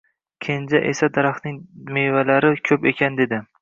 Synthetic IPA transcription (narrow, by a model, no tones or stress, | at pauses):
kʲʰend͡ʒaʔesad̪aɾaχnɪŋmevalaɾɪkʲʰɵpekʲʰand̪e̞d̪ɪ